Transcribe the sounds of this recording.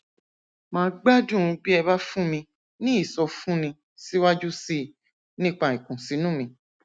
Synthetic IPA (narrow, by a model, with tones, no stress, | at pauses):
mãː˧˦ɡ͡ba˦dũ˦˨˧bi˦ɛ˧ba˦fũ˦mĩ˧ | nĩ˦i˦˨sɔ˧fũ˦nĩ˧ | si˦wa˦d͡ʒu˦si˦˨ | nĩ˦k͡pa˧i˨kũ˨si˨˦nũ˦˨mĩ˧